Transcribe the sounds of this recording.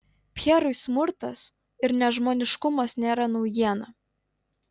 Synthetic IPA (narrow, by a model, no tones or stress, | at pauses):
pʲɛɾʊɪsmʊɾt̪ɐs | ɪɾnʲɛʒmoːnʲɪʃkʊmɐsnʲeːɾɐnɐʊjiɛnɐ